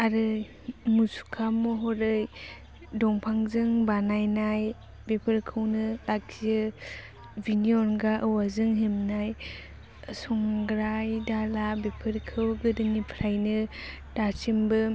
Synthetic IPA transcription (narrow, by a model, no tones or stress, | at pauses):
aɾɯ | musu̥kʰamɔɦɔɾɯj | dɔŋpʰaŋzɯŋbanajnaj | bepʰɯɾkʰɯwnɯlakɯ | biniɔnɡaʔɯwazɯŋɦemnaj | sɔŋɡɾajdalabepʰɯɾkʰɯwɡɯdɯnipʰɾajnɯ | d̥at͡ʃimbɯ